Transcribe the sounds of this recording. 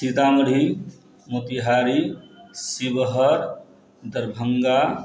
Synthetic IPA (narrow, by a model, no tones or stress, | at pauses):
sit̪aməɽ̤ʱi | mot̪iɦaɾisibəɦəɾ | d̪əɾbʱəŋɡa